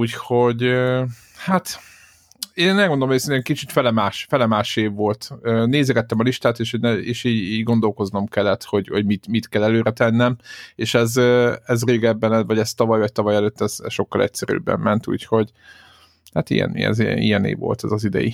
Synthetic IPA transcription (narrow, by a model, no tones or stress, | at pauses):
uːcho̞ɟø | hat̪ | eːnɛlɡond̪oomesɛnɛkit͡ʃit̪fɛlɛmaːʃfɛlɛmaːʃeːvːo̞lt̪øːneːzɛɡɛt̪ːɛmɒliʃt̪aːt̪eːʃhoɟnɛeːʃiːɟiːɟɡo̞nd̪o̞lko̞znomkɛlːɛt̪ho̞ɟho̞ɟmit̪mit̪kɛlːɛløːɾɛt̪ɛnːɛmeːʃɛzøɛzreːɡɛbːɛnɛvɒɟɛst̪ɒvɒjvɒc̚t̪ɒvɒjɛløːt̪ːɛz̥ɛsʃo̞kːɒlʔɛ̰c̚sɛɾø̰ːbːɛ̰mːɛnt̪ṵːcho̞ɟ | hat̪ḭjɛ̰nḭɛ̰z̰ḭjɛnḛːvo̞̰lt̪ɛzɒzid̪ɛ̰jḭ